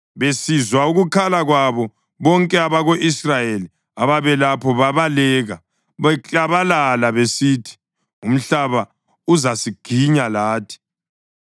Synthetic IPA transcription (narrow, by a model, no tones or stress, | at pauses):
βesizwauɣukʰalaɣwaβɔ | βɔŋkʼɛaβaɣoʔisrajeli | aβaβɛlapʰɔβaβalɛːɣa | βɛt͡ɬʼaβalalaβesitʰi̥ | um̩ɬaβa | uzasiɡ̥ʱiɲalaːtʰi̥